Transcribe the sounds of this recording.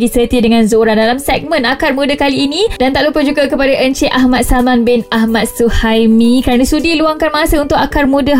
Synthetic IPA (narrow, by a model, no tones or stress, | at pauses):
ɡisət̪iədəŋãnzoɾandalamsɛk̚mə̃nakarmũdəkaliːnĩdant̪aʔlupəd͡ʒuɡakəpadaʔəɲt͡ʃeʔaɦmat̪samanbɪnaɦmat̪̚suhajmĩkəɾanãsudiluaŋkanmasaunt̪ʊkakarmũdə